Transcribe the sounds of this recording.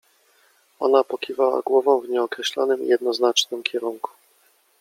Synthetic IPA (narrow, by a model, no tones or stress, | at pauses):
ɔ̰napɔkʲivawa̰ɡwɔvɔ̃w̃vɲɛɔkɾɛɕlɔ̰nɘmijɛd̪̚nɔznat͡ʂnɘmkʲɛɾuŋku̥